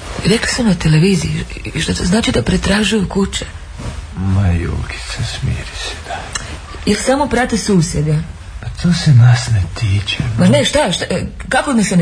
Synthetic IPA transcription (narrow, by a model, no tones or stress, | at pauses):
ɾekli̥somnat̪ele̞ʋiːziiʃt̪at̪oznaːt͡ʃid̪apɾet̪ɾaːʒujukut͡ʃe | majṵːki̥t̪sasmḭɾise̥d̪̥a | jelsamo̞pɾat̪esuːsjed̪a | pat̪ʰoːsenasnet̪iːt͡ʃemaneʃt̪aʃt̪kakonasen